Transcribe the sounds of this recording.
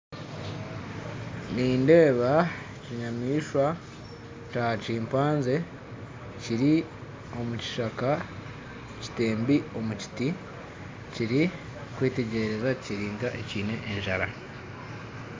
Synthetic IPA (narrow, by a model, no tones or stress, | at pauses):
niːnde̞ːβa | ciɲamiːʃwa | t͡ʃat͡ʃiːmpaːnze̞ | ciɾi | o̞muci̥ʃaka | ci̥te̞ːmbio̞muci̥ti | ciɾi | kwiːte̞ɟe̞ɾe̞zaciɾiːŋɡaʔe̞̰ciːne̞ʔːɲʒaɾa